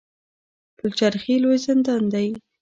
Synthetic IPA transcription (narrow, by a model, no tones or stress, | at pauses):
pəlt͡ʃaɾxilojzɪnd̪ɑnd̪aj